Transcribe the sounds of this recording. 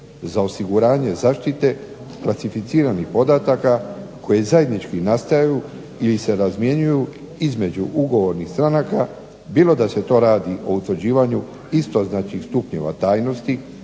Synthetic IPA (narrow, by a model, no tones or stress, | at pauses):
zao̞siɡuɾaːɲe̞zaːʃt̪it̪e̞ | klat̪sifit̪siːɾanixpo̞d̪at̪akakojezaje̞d̪nit͡ʃkinast̪ajaju | ilise̞ɾazmje̞ɲuju | izme̞d͡ʑuʔuɡo̞ʋo̞ɾnixst̪ɾanaka | biːlo̞d̪ase̞t̪o̞ɾaːd̪iʔo̞ut̪ʋɾd͡ʑiːʋaɲu | ist̪o̞znat͡ʃixst̪upɲe̞̰ʋa̰t̪aːjno̞st̪i